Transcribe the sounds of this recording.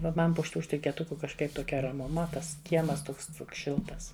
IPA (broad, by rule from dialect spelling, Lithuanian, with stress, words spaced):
ʋɐ ˈmɐn pʊ ʃʲɪˈtuː ʃʲtʲɪkʲeːˈtʊkʊ kɐʃˈkɐɪp toːˈkʲɛ rɐmʊˈmɐ ˈtɐs ˈkʲiɛmɐs ˈtʊks ˈʃʲɪlˠtɐs